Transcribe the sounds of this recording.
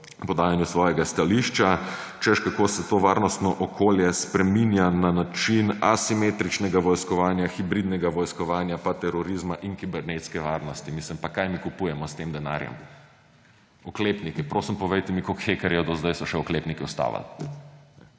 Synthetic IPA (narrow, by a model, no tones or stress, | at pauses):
pɔd̪aːjanjusʋɔːjɛɡast̪aliʃt͡ʃa | t͡ʃɛʃkakoːsɛt̪oʋaːɾnɔst̪nɔʔɔkʰoljɛspɾɛminjananat͡ʃinasimet̪ɾit͡ʃnɛɡaʋɔjskɔʋaːnjaxibɾid̪nɛɡaʋɔjskɔʋaːnjapat̪ɛɾɔɾizmaʔinkibɛɾnet̪skɛʋaːɾnɔst̪imislimpakajmikupuːjɛmɔst̪eːmd̪ɛna̰ːɾjɛ̰m | ɔkleːpnikipɾoːsimpɔʋejt̪ɛmikokxekɛɾjɛd̪ozd̪ajsɔʃɛɔkleːpnikiɔst̪a̰ːʋa̰l | ɛ